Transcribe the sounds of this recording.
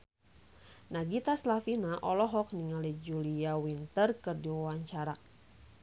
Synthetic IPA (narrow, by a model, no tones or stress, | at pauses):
naɡit̪aslafinaʔɔlɔɦɔk̚niŋalid͡ʒuliawint̪ərkɨrdiwawaɲt͡ʃaɾa